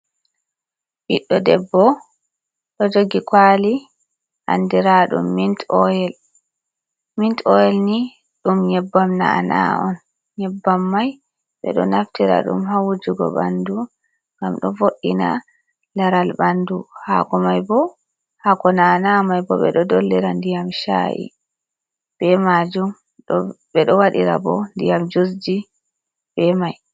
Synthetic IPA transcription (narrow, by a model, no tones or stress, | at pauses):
ɓiɗːɔdɛbːɔ | ɗɔd͡ʒoɡikwali | ʔa̰ndiɾaɗṵmːintɔjɛl | mintɔjɛlni | ɗumɲɛbːamna̰a̰na̰ɔn | ɲɛbːamːaj | ɓɛ̰ɗɔnaftiɾa̰ɗṵmɦawud͡ʒiɡɔ̰ɓa̰ndu | ŋɡamɗɔvoɗːina̰ | laɾalbanduhakɔmajbɔ | hakɔnanamajbɔɓɛ̰ɗɔdɔlːɛɾandijamʃa̰ʔḭ | bɛmad͡ʒum | ɗɔ | ɓɛɗɔwaɗiɾa̰bɔndijamd͡ʒus̬d͡ʒi | bɛmaj